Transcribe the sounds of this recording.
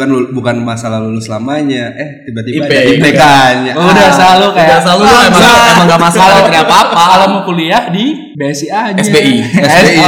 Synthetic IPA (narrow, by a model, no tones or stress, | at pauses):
kanbukanmasalahlulʊslamaɲaʔɛt̪ibat̪ibapaipekaɲaudaslalukajaasalumamamaŋɡaʔmasalat̪əɾiapapaːlamakuliahdi | besiad͡ʒɛsbeiɛse